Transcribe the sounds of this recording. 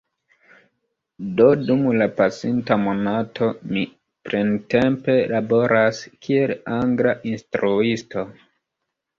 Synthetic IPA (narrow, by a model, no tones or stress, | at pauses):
do̞dumlapasintamo̞natʰo̞mi | pɾente̞mpe̞labo̞ɾʔaskʰielaŋɡɾaʔinstɾuisto̞